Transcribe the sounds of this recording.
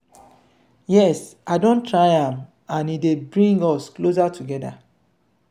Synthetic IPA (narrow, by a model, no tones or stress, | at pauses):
jɛsaɪdõntʰɹaɪãm | ãnidebɹĩŋɡɔsklos̬atʰuɡɛda̰